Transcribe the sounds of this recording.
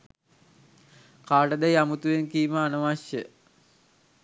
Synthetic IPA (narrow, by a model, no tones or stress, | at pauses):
kaːʈəd̪æjamut̪uʋenkiːməanəʋaʃjə